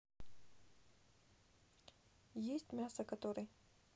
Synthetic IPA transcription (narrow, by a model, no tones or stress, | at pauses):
jesʲtʲmʲasəkɐt̪oɾɨj